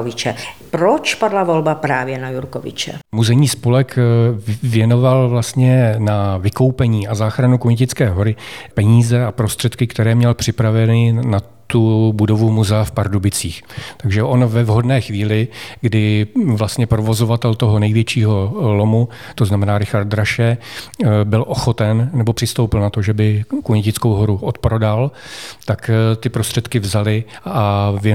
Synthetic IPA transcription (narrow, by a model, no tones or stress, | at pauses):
vɪt͡ʃɛpɾot͡ʃpadlavolbapɾaːvjɛnajuɾkovɪ̰t͡ʃɛ̰muzɛɲiːspolɛk | vjɛno̞valvlast̪ɲɛnavɪko̞wpɛɲiːʔazaːxɾanukoɲcɪt͡skɛːɦo̞ɾɪpɛɲiːzɛapɾo̞st̪r̥ɛt̪kɪkt̪ɛɾɛːmɲɛlpr̥ɪpɾavɛnɪna | t̪ubudo̞vumuzɛafpaɾdubɪt͡siːxt̪aɡʒɛʔo̞nvɛvɦo̞dnɛːxviːlɪɡdɪvlast̪ɲɛpɾovo̞zo̞vat̪ɛlt̪o̞ɦo̞nɛjvjɛt͡ʃiːɦo̞lo̞mu | t̪o̞znamɛnaːɾɪxaɾt̚d̪ɾaʃɛ | bɪlʔo̞xo̞t̪ɛnnɛbo̞pr̥ɪst̪o̞wpɪlnat̪o̞ʒɛbɪkuɲɛcɪt͡sko̞wɦo̞ɾuʔo̞t̪̚pɾo̞dalt̪akt̪ɪpɾo̞st̪r̝̥ɛt̪kɪvzalɪavjɛ